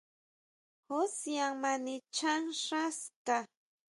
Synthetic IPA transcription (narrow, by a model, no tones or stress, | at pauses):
hosjaŋmanɪt͡ʃaŋʂast̪a